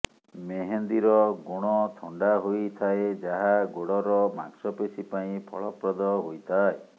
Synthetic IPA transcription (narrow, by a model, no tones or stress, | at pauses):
meɦend̪iɾɔɡoɽ̃ɔt̪ʰɔɳɖaɦojt̪ʰaed͡ʒaɦaɡoɽɔɾɔma̰ksɔpesipaĩpʰɔ̰ɭɔpɾɔd̪ɔɦojt̪ʰae